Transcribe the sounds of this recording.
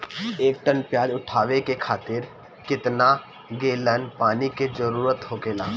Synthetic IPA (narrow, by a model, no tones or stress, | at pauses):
eːk̚ʈə̃npjaːd͡ʒʊʈʰaːʋekekʰaːt̪ɪɾ | kɪt̪na | ɡeːlənpaːniked͡ʒəɾuːɾət̪ɦokeːlaː